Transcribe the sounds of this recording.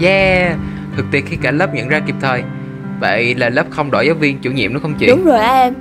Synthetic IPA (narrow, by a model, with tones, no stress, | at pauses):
zaː˧˩ | t̪ʰɨ˨˩k̚t̪i˨˩ət̚xi˧kaː˧˩lə˦˥p̚ɲə̰˧˨nzaː˧ki˨˩p̚t̪ʰəː˨˩j | və̰˧˨jlaː˨˩ləː˦˥p̚xə˧wŋ͡mɗɔ̰˧˩zaː˨˦wvi˧ənt͡ɕu˧˩ɲḭ˧˨əmnɔ˨˦xə˧wŋ͡mt͡ɕḭ˧ɗʊ˨˦ŋ͡mzo˨˩jʔaː˧ʔɛ˧m